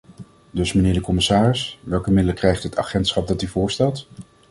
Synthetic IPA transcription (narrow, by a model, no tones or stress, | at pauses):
dɵsmənɪːɹdəkɔmɪsaːrɪsʋɛlˠkəmɪdələkrɛjχtɦətʰɑ̰χɛntsχɑp̚dɑtyvʊːɹstɛlˠt